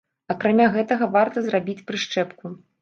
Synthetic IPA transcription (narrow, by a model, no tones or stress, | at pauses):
akɾamʲaɣɛt̪ɐɣɐvart̪ɐzrabʲit͡sʲpɾɨʂt͡ʂɛpku